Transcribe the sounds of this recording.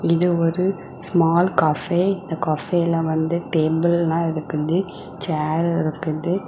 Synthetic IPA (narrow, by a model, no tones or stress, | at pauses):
ɪðɯɔɾɯ | smaːlkɐfeːɪnd̪ɐkɔːfeːlɐ̃ʋɐnd̪ɯʈeːbɪlnãːɪɾɯkːɯðɯ | t͡ʃaːɾɪɪɾɯkːɯðɯ